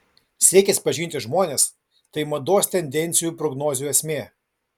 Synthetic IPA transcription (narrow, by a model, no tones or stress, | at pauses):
sʲiɛkʲɛsʲpɐʒʲɪnʲt̪ʲɪʒmoːnʲeːs | t̪ɐɪmɐd̪oːsʲt̪ʲɛnʲd̪ʲɛnʲt̪sʲɪjuːpɾɔɡnoːzʲːɛsʲmʲeː